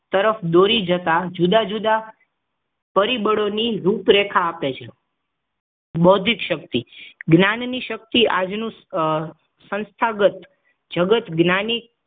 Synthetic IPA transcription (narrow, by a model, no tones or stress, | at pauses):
t̪əɾəfd̪oɾid͡ʒət̪ad͡ʒud̪ad͡ʒud̪a | pəɾibəɽoniɾupɾekʰaːpet͡ʃʰe | bod̪ʱikʃək̚t̪iɡnanniʃək̚t̪iʔad͡ʒnũ | sə̃nst̪ʰaɡət̪ | d͡ʒəɡət̪ɡnanik̚